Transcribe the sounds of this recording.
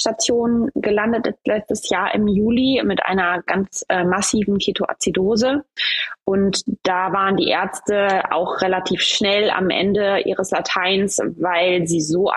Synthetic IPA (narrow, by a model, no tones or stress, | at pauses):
ʃtat͡sjoːnɡəlandətjɛlɛt͡stəsjaːɐʔɪ̰mjuːlimɪtʔa̰ɪnɐɡ̥ant͡sʔɛːmasiːvn̩kʰeːtʰoʔa̰t͡sidoːzəʔʊntd̥aːvaːʁəndḭːʔeːɐt͡stəa̰ʊxʁelatʰiːfʃnɛla̰mʔɛ̰ndəʔḭːʁ̞əslatʰaɪnsvaɪlziːzoː